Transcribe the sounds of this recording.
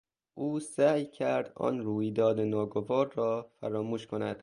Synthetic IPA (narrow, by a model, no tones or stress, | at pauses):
ʔuːsæːjcʰæɾd̪ɒ̰ːnɾuːjd̪ɒːd̪enɒːɡovɒːɾːɒːfæɾɒːmuːʃkʰonæ̰d̪̥